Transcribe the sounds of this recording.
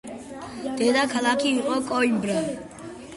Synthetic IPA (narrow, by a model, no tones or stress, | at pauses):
d̪̥ɛd̪akʰalakʰiiqʼɔkʼɔimbɾa